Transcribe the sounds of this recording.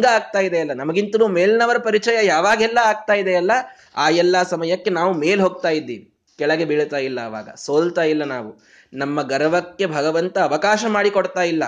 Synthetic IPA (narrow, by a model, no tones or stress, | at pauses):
ɡɐaːɡ̚t̪aːjid̪eɐlːɐnɐmɐɡint̪ɐnuːmeːlinɐʋɐɾɐpɐɾit͡ʃɐjɐjaːʋaːɡɛlːɐaːɡ̚t̪aːjid̪eɐlːɐ | aːɛlːɐsɐmɐjɐkːe̞naːʋumeːlɦo̞ːɡ̚t̪aːjid̪ːḭːʋi | kɛɭɐɡe̞biɭt̪aːjilːɐːʋa̰ːɡɐ̰soːlt̪aːjilːɐnaːʋu | nɐmːɐɡɐɾɐʋɐkːe̞bʱɐɡɐʋɐnt̪ɐːʋɐkaːʃɐmaːɽikoɽt̪aːjilːɐ